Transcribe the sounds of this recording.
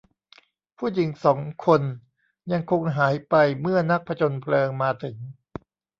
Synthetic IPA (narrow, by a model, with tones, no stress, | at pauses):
pʰuː˥˩ji˩˦ŋsɔː˩˦ŋkʰo˧n | ja˧ŋkʰo˧ŋɦaː˩˦jpa˧jmɯ˥˩ɐna˦˥k̚pʰa˧t͡ɕʰo˧npʰlɤː˧ŋmaː˧t̪ʰɯ˩˦ŋ